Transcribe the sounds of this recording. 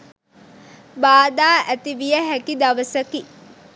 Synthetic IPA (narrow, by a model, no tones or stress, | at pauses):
baːd̪aːʔæt̪iʋijəɦækid̪ɐʋəsəki